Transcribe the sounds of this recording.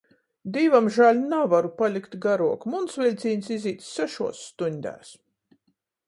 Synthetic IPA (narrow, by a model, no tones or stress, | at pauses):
d̪iːvamʒalʲnavaɾupalʲikt̪ɡaɾuɔkmunsvʲilʲt̪sʲiːɲʲsiziːt̪ssɛʃuɔsːt̪unʲd̪ʲæ̰ːs